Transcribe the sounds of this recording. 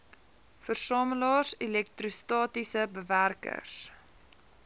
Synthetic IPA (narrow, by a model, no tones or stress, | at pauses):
fərsɑːməlɑːrsilɛk̚trustɑːtisəbəværkə̰rs